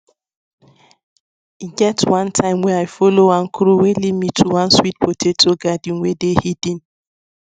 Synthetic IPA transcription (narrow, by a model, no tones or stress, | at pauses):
iɡɛtwãntʰãɪmwɛaɪfolowãŋ̩kʰɾuwelimitʰuwãnswit̚potʰetoɡadiŋʷedehidĩn